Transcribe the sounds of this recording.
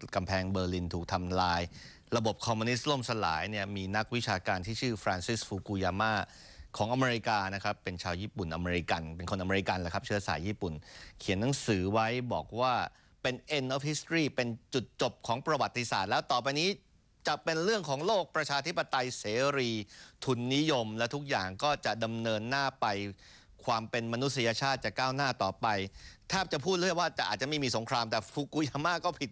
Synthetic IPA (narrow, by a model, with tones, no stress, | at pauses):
ka˧mpʰɛː˧ŋbɤː˧li˧nt̪ʰuː˨˩k̚t̪ʰa˧mlaː˧j | ɾa˧bo˨˩p̚kʰɔː˧mːu˧ni˦˥s̚lo˥˩msa˧la̰ː˩˦jni˥˩ɐmiː˧na˦˥k̚wi˦˥t͡ɕʰaː˧kaː˧nt̪ʰiː˥˩t͡ɕʰɯː˥˩fɾaː˧nsi˦˥sfuː˧kuː˧jaː˧maː˥˩ | kʰɔː˩˦ŋʔa˧meː˧ɾi˧˥kaː˧na˦˥kʰɾa˦˥pːe˧nt͡ɕʰaː˧wjiː˥˩pu˨˩nʔa˧meː˧ɾi˧ka˧npe˧nkʰo˧nʔa˧meː˧ɾi˧˥ka˧nlaː˩kʰa˦˥p̚t͡ɕʰɯ˥˩ɐsa̰ː˩˦jiː˥˩pu˨˩nkʰi˨˩˦nːa˩˦ŋsɯː˩˦wa˦˥jbɔ̰ː˨˩k̚waː˥˩ | pe˧nʔe˧nʔɔː˦˥fhi˦˥st̪ɾiː˥˩pe˧nt͡ɕu˨˩t̪̚t͡ɕo˨˩p̚kʰɔː˩˦ŋpɾa˧wa˨˩t̪ːi˧sa̰ː˨˩t̪̚lɛː˦˥wt̪ɔː˨˩pa˧jniː˦˥ | t͡ɕa˨˩ʔpe˧nɾɯ˥˩əŋkʰɔː˩˦ŋloː˥˩k̚pɾa˧t͡ɕʰaː˧t̪ʰi˦˥pːa˧t̪a˧jseː˩˦ɾiː˧t̪ʰu˧nːi˦˥jo˧mlɛː˦˥wt̪ʰu˦˥k̚jaː˨˩ŋkɔː˥˩t͡ɕa˨˩ʔda˧mnɤː˧nːaː˥˩pa˧j | kʰwaː˧mpe˧nma˧nu˦˥t̪̚si˧ja˧t͡ɕʰaː˥˩t̪̚t͡ɕa˨˩kaː˥˩wnaː˥˩t̪ɔː˨˩pa˧jt̪ʰaː˥˩t͡ɕa˨˩pʰuː˥˩t̪̚lə˨˩waː˥˩t͡ɕa˨˩ʔaː˨˩t̪̚t͡ɕa˨ma˥˩miː˧so˩˦ŋkʰɾaː˧mt̪ɛː˨˩fʰuː˧kuː˧jaː˧maː˥˩kɔː˥˩pʰi˨˩t̪̚